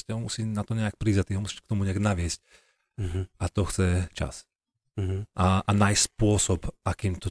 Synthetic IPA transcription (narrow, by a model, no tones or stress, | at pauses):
scɛɦɔmusiːnat̪ɔɲɛak̚pɾiːzat̪iɦɔmusi̥ːʃkt̪ɔmuɲɛaɡnaʋɪɛsc̚ | at̪ɔxt͡sɛt͡ʃa̰s | ʔaʔanajspʊɔsɔpakiːmt̪ɔ